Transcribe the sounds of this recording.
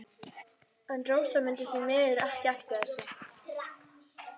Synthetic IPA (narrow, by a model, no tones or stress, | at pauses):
ɛnt̪ɾoːwsamʏnt̪ɪθimɛːðɪɾahc̪aft̪ɪɛsʏ